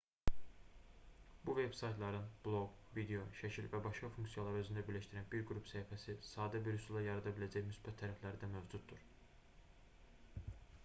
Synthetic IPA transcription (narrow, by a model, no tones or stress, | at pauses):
buve̞b̥sɑjt̪ʰlˠɑɾɯnb̥lˠo̞ɡvid̪ejo̞ʃæcʰilvæbɑʃkɑfuŋksijɑlˠɑɾø̞zynd̪æbiɾlæʃt̪iɾænbiɾɡɾupsæifæsisɑːd̪æbiɾusulˠɑjɑɾɑd̪ɑbilæd͡ʒæçmysbæt̪ʰːæɾæflæɾid̪æmøvd͡ʒud̪̚d̪uɾ̥